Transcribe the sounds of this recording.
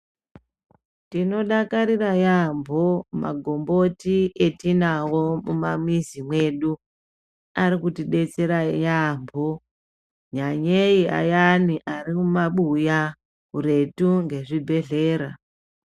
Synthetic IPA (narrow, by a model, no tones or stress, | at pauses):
tino̞ɗakaɾirajambʱo̞ma̰ɡʱo̞mbo̞tietinawo̞mumamizimwe̞ɗu | aɾikutiɗe̞t͡se̞ɾajambʱo̞ | ɲaɲejia̰janiʔaɾimumaɓuja | ɦuɾe̞tuŋɡe̞ʐibʱe̞ɮe̞ːɾa